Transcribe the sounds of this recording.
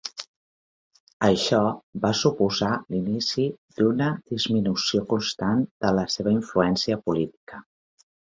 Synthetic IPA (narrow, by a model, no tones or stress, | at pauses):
əʃɔbasupuzalinisid̪unəd̪izminusiokunst̪and̪̥ələseβ̞əiɱfluɛnsiəpulit̪i̥kə